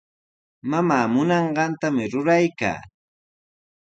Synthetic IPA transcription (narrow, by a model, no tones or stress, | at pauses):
mamaːmʊnɑɴɢɑnt̪amɪɾʊɾajka̰ː